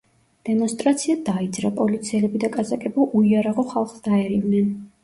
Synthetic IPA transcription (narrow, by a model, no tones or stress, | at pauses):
d̪̥ɛmɔnst̪ʼɾat̪sʰiad̪aid̪zɾapʼɔlit̪sʰiɛlɛbid̪akʼasakʼɛbulʔuiaɾaʁɔχalˠχsd̪aɛɾivnɛn